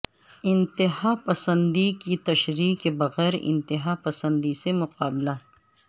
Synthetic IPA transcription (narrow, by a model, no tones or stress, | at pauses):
ɪ̃nt̪ɪɦapɐsə̃nd̪ikit̪ɐʃɾiːqkebɐɣɛːɾɪ̰̃nt̪ɪɦapɐsə̃nd̪isemʊqaːbla